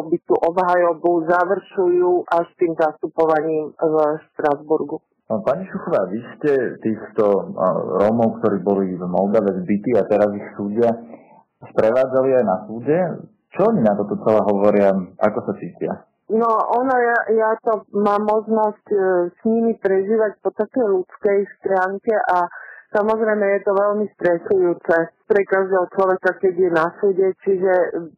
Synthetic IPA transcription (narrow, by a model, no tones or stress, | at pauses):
ɔbit̪uʔɔbɦajɔbuzaʋr̩ʃujuːʔaʃt̪iːmzast̪upɔʋaɲiːmvʃt̪ɾazbuɾɡu | paɲiʃuxɔʋaːʋiscɛt̪iːxt̪ɔɾɔmɔʊkt̪ɔɾiːbɔlivmɔld̪aʋɛzbit̪iːat̪ɛɾazixsuːɟɪa | spɾɛʋaːd͡zaliajnasuːɟɛ | t͡ʃɔɔɲinat̪ɔt̪ɔt͡sɛlɛːɦɔʋɔɾɪaʔa̰kɔsat͡siːcɪa̰ | nɔɔnɔjajat̪ɔmaːmːɔʒnɔscsɲimipɾɛʒiːʋac̚pɔt̪akɛjlut͡skɛjst̪ɾaːŋkɛʔasamɔzɾɛjmɛjɛt̪ɔʋɛlmist̪ɾɛsujuːt͡sɛpɾɛkaʒd̪ɛɦɔt͡ʃlɔʋɛkakɛɟjɛnasuːɟɛt͡ʃiʒɛ